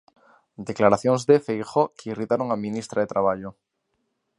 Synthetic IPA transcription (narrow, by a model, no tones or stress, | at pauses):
d̪eklaɾaθjoŋzðefejxokeirit̪aɾoŋamĩnist̪ɾaðet̪ɾaβ̞aʎo